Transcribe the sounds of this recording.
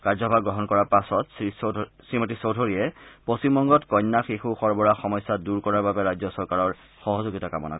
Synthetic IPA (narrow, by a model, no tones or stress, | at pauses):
kaɹzɔbʱaɡɹɔɦɔnkɔɹaɹpasɔtsissɹimɔtisowdʱoɹiɛposimbɔŋɡɔtkɔjnːaxixuxɔɹbɔɹaxɔmɔjsaduɹkɔɹaɹbabɛɹajzɔsɔɹkaɹɔɹ | xɔɦɔzoɡitaka̰mɔ̰na̰k